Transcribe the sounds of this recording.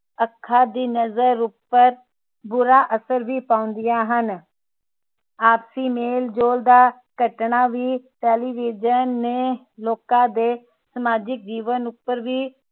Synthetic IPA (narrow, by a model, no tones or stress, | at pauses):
əkʰːaːd̪iːnəzəɾʊpːəɾ | bʊɾaːʔəsəɾʋʱipaːʊ̃nd̪ɪjaːɦən | aːpsiːmeːld͡ʒoːld̪aː | kəʈɳaːʋiːʈɛːliːʋiːd͡ʒənːe | loːkãd̪eː | səmaːd͡ʒɪk̚d͡ʒiːʋənʊpːəɾʋiː